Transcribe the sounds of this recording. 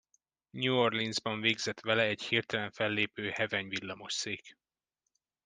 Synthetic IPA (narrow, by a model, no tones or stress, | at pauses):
ɲuorlinzbɒɱveːɡzɛt̪ʋɛlɛɛchirt̪ɛlɛɱfɛlːeːpøːhɛvɛɲvilːɒmo̞ʃseːk